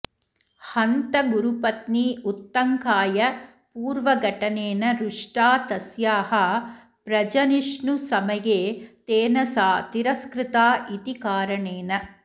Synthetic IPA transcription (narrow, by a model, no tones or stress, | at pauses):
hɐnt̪ɐɡuɾupɐt̪niːut̪ːɐŋkaːjɐ | puːɾʋɐɡʱɐʈɐneːnɐɾuʂʈaːt̪ɐsjaːɦɐ | pɾɐd͡ʒɐniʂɳusɐmɐjeːt̪eːnɐsaːt̪iɾɐskɾɪt̪aːʔit̪ikaːɾɐɳeːnɐ